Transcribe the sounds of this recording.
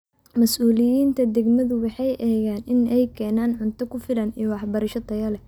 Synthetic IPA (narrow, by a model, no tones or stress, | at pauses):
mɐsuːlɪjiːnt̪ʰɐd̪ɛɡmɐðʊwɑħɑjʔɛːɣaːnɪnɛjkʰɛːnaːnʕʊnt̪ʰɐkʰʊfɪlɐnijwɑħbɐɾɐʃɐt̪ʰɐjɐlɛ